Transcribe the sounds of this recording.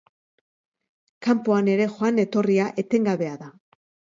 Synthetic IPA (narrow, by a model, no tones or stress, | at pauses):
kampo̞ane̞ɾe̞xoane̞t̪o̞riaʔe̞t̪e̞ŋɡaβe̞aða